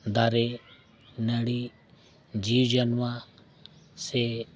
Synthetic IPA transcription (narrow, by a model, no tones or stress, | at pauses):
d̪aːɾe | nəɽi | d͡ʒiːwd͡ʒənʋã | se